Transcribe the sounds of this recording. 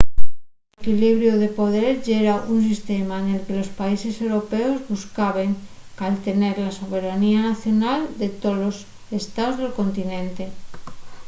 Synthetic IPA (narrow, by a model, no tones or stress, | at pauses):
ekiliβɾjoðe̞po̞ð̞eɾʝeɾaʔuns̬ist̪emaenelkelo̞spaise̞sewɾo̞peozβuskaβeŋkalt̪e̞neɾlaso̞βe̞ɾanianaθjo̞nald̪et̪olos | est̪aozðelko̞nt̪inẽnt̪e̞